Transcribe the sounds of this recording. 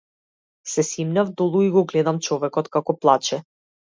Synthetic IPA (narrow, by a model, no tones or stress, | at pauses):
sɛsimnʲavd̪ɔlˠuiɡɔɡlɛd̪amt͡ʃɔvɛkɔt̪kakɔplˠat͡ʃɛ